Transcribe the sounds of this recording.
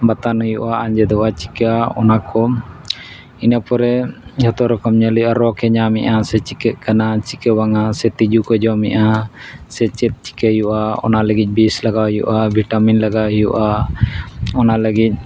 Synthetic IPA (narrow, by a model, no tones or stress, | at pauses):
bat̪anɦɔjuʔaaɲd͡ʒɛd̪ɔwat͡ʃi̥kaɔnakɔ | inapɔɾɛd͡ʒɔt̪ɔɾɔkɔmɲəluʔaɾɔkɛɲamɛʔasɛt͡ʃikɛt̪̚kanat͡ʃikɛwaŋasɛt̪id͡ʒukɔd͡ʒɔmɛʔasɛt͡ʃɛt̪̚t͡ʃi̥kejuʔaɔ̰naləɡic̪̚ˀbislaɡawjṵʔabʱiʈaminlaɡawɦɔjṵʔa | ɔnaləɡic̪̚ˀ